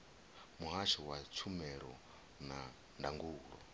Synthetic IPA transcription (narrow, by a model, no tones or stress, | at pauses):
muɦat͡ʃɔwat͡sʰumɛɾɔ | na | ndaŋɡuːɺɔ̰